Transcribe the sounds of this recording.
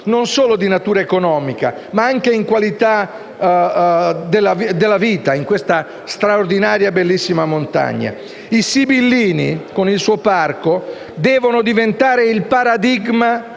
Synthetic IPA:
nonsoːlod̪inat̪uːɾaekonɔːmika̰ | maaŋkeiŋkwalit̪a | d̪elːavd̪elːaviːt̪aiŋkwest̪a | st̪ɾaord̪inaːɾjabelːisːimamont̪a̰ɲːa̰ | isibilːiːnikonilsuparko | d̪ɛːvonod̪ivent̪aːɾeilpaɾad̪iɡma

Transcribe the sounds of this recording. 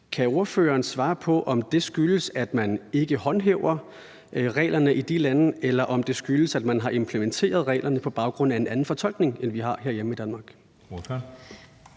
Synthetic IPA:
kʰæo̝ɐfø̰ːɐːn̩sʋɑ̈ːpʰɒ̽ʔɒ̽md̥e̝sɡ̥yləsæd̥mæne̝ɡ̥əhɒ̽nɦeʊɐ | ʁɛ̰ːlɐnəʔid̥ilænəelɐʔɒ̽md̥e̝sɡ̥yləsæd̥mænɦɑ̈ʔe̝mpʰlement͡sʰe̝̰ːɐð̞ˠʁɛ̰ːlʔɐnəpʰɒ̽b̥ɑ̈ʊɡ̥ʁɔ̽n̰æe̝nænn̩fɒ̽t͡sʰɒ̽l̰ɡ̥ne̝ŋenʋiɦɑ̈ɦe̝ɐ̰jem̩id̥ænmɑ̈ːɡ̥

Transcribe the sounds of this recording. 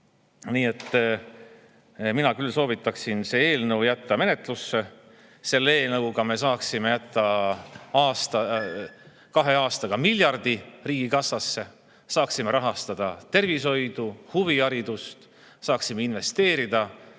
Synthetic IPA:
niːe̞t̪ːˑ | minɑkylːso̞ːvit̪ːˑɑksinse̞ːe̞ːlnɤwjæt̪ːɑme̞net̪ˑlusːe̞ | se̞lːeeːlnɤwɡɑme̞s̬ɑːksime̞jæt̪ːˑɑ | ɑːst̪ɑ | kɑɦe̞ɑːst̪ɑɡ̥ɑmilʲjɑrd̪̥iriːɡ̥ikɑsːɑsːe̞ | sɑːksime̞ɾɑɦɑst̪ɑd̪̥ɑt̪e̞rviso̞jd̪̥uhuviɑɾid̪ust̪ | sɑːksimeinve̞st̪e̞ːɾid̪̥ɑ

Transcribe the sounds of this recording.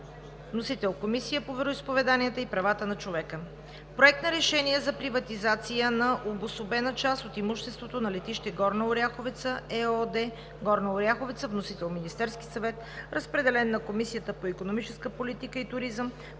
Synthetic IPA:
vnosit̪ɛlˠkomisijəpovɛɾoispovɛd̪anijət̪əipɾɐvat̪ənɐt͡ʃovɛkə | pɾoɛk̚t̪nəɾɛʃɛniɛzɐpɾivɐt̪izat̪sijənɐʔobosobɛnət͡ʃast̪ot̪imuʃt̪ɛst̪vot̪onɐlɛt̪iʃt̪ɛɡɔɾnəoɾʲjaxovɛt̪səɛɔd̪ɛ | ɡɔɾnəoɾʲjaxovɛt̪səvnosit̪ɛlˠminist̪ɛɾsk̟isɐvɛt̪ | ɾʔəspɾɛd̪ɛlɛnːɐkomisijət̪əpoikonomit͡ʃɛskəpolit̪ikəit̪ʊɾizəm

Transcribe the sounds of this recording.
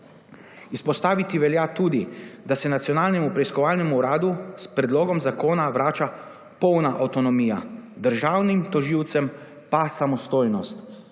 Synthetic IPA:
ispɔst̪aːʋit̪iʋɛljat̪uːd̪id̪asɛnat̪sjɔnaːlnɛmupɾɛiskɔʋaːlnɛmuːɾaːd̪uspɾɛd̪loːɡɔmzakoːnaʋɾaːt͡ʃa | pɔwnaʔawt̪ɔnɔmiːjad̪əɾʒaːwnimt̪ɔʒiwt̪sɛm | pasamɔst̪oːjnɔst̪

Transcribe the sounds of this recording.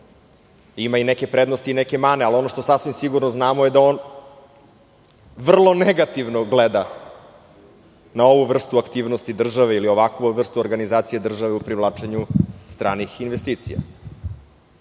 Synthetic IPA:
imaineke̞pɾed̪no̞st̪iːneke̞maːnealo̞noʂt̪o̞sasʋimsiɡuɾnoznaːmoje̞d̪aoːn | ʋr̩lˠo̞neɡat̪iʋnoɡled̪a | nao̞ʋuʋr̩st̪uakt̪iːʋnost̪id̪r̩ʒaʋeilio̞ʋakuvr̩st̪uoɾɡanizaːt̪sijed̪r̩ʒaʋeupɾiʋlaːt͡ʂeɲust̪ɾaːnixinʋest̪iːt̪sḭja̰

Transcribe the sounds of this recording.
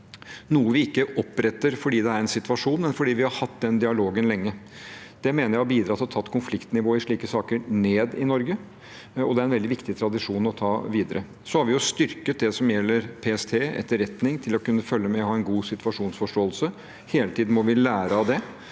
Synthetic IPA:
nuːəʋɪɪkːəʔɔpːɾɛt̪ːəɾfɔɖiːd̪ɛæɾɛnsɪt̪ʋɑʂuːnmɛnfɔɖiːʋɪhɑɾhɑt̪ːd̪ɛnd̪ɪɑloːɡənlɛŋːə | d̪̥ɛmeːnəɾjæɪɔbiːd̪ɾɑt̪ːɔt̪ʰɑt̪ːkʰʊnflɪkt̪nɪʋoːəɪʂɭiːkəsɑːkəneːd̪ɪnɔɾɡə | ɔd̪ɛæɾɛnʋɛld̪ɪʋɪkt̪ɪt̪ʰɾɑd̪ɪʂuːnɔt̪ʰɑːʋiːd̪əɾə | sɔhɑɾʋɪjʊst̪ʏɾkət̪̚d̪ɛsɔmjɛlːəɾpʰeːɛst̪ʰeːɛ̰t̪ːəɾɛt̪nɪŋt̪ʰɪlɔkʉnːəfœlːəmɛɔhɑːɛnɡuːsɪt̪ʋɑʂuːnsfɔʂʈoːlsə | heːlət̪ʰiːd̪n̩mɔʋɪlæːɾəɑd̪ɛ

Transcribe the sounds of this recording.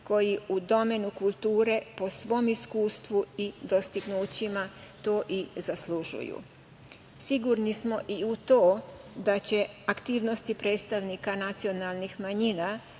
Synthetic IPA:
ko̞jiud̪o̞me̞nukulˠt̪uːɾe̞po̞sʋo̞ːmiskuːst̪ʋuid̪o̞st̪iɡnuːt͡ɕimat̪o̞ːʔizasluʒṵjṵ | siɡuɾnismo̞ʔiut̪o̞ːd̪at͡ɕe̞akt̪iːʋno̞st̪ipɾe̞ːt̪st̪aʋnikanat̪sio̞nalˠnixmaɲina

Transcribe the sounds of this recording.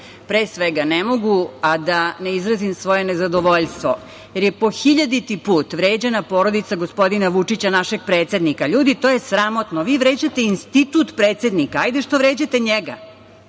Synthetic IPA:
pɾeːsʋeɡanemo̞ɡuad̪ane̞izɾazimsʋo̞jenezad̪oʋo̞ʎst̪ʋo̞ | jeɾjepo̞xiʎad̪it̪ipuːt̪ʋɾe̞ːd͡ʑenapo̞ɾo̞d̪it̪saɡospo̞d̪inaʋut͡ʂit͡ɕanaʃeɡ̚pɾeːt̪sʲe̞d̪nikaʎuːd̪it̪ojesɾamo̞t̪noʋiːʋɾe̞ːd͡ʑat̪e̞inst̪it̪ut̪pɾe̞ːt̪se̞d̪nikaajd̪eʃt̪oʋɾeːd͡ʑat̪eɲeɡa̰

